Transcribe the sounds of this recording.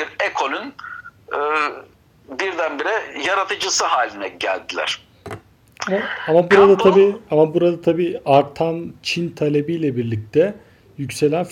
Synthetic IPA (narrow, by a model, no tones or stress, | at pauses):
biɾekʰolʲynɯ | biɾd̪ænbiɾɛjaɾat̪ʰɯd͡ʒɯsɯɦaːlʲinɛɟæ̰lʲd̪ilʲæ̰ɾ̥ | amaamabuɾad̪at̪ʰabiːamabuɾad̪at̪ʰabiːaɾt̪ʰant͡ʃʰint̪ʰalʲe̞bijlʲɛbiɾlʲic̚t̪ʰɛ | jycse̞lʲænf